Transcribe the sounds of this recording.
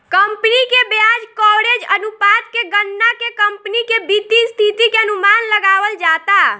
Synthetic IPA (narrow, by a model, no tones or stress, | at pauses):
kəmpnikebjad͡ʒkɔɽed͡ʒənupat̪keɡənːakekəmpnikebit̪ist̪ʰit̪ikeənumanləɡaʋəld͡ʒat̪a